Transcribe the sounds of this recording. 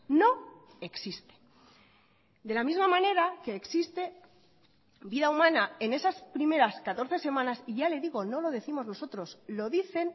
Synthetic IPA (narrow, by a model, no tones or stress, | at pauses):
no̞ | e̞ksist̪e̥ | d̪e̞lamizmamãne̞ɾake̞ːksist̪e̞ | biðaumãnae̞ne̞saspɾime̞ɾaskat̪o̞ɾθe̞se̞mãnasiʝale̞ðiɣo̞no̞lo̞ðe̞θimo̞zno̞so̞t̪ɾo̞slo̞ðiθe̞n